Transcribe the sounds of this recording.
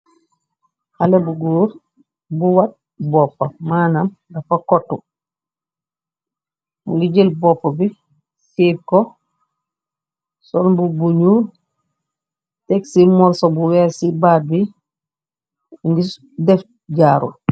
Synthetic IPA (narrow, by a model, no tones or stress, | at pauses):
halebuɡuːɾ | buwat̚ | bɔpːamanam | ɡafakɔtːu | muɡiɟelbɔpːabi | siɾkɔ | sɔnbubuɲuː | tɛksimɔɾsɔbuwɛsibad̚bi | ŋɡi | dɛf | ɟaːɾṵ